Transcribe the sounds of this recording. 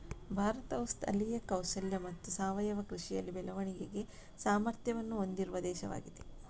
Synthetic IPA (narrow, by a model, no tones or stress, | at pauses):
bʱaːɾɐt̪ɐʋɐst̪ɐ̰lːijɐkɐwsɐljɐmɐt̪ːusaːʋɐjɐʋɐkɾuʂijɐ̰lːibɛlɐʋɐɳiɡeɡe̞ | saːmɐɾt̪jɐʋɐnːuond̪iɾuʋɐd̪ɛːʃɐʋa̰ːɡid̪e̞